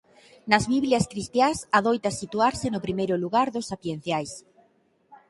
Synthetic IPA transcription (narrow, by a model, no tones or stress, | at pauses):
nɐzβiβljaskɾist̪jasaðojt̪asit̪uaɾsenʊpɾimejɾʊluɣaɾðʊsapjen̟θjajs